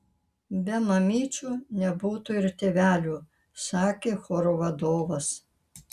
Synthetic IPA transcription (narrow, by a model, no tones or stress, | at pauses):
bʲɛmɐmʲiːt͡ʃʲuːnʲɛbuːt̪uɪɾt̪ʲeʋʲæːlʲuː | sɑːkʲeːxoːɾoʋɐd̪oːʋɐs